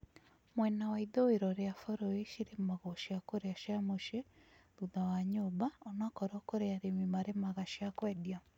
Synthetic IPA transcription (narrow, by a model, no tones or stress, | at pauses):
mwɛnawaiðoeɾɔɾeafɔɾɔiʃiɾemaɣɔʃiakoɾeaʃjamoʃeðuðawaɲobaɔnakɔɾɔkoɾeaɾemimaɾemaɣaʃiakwɛdia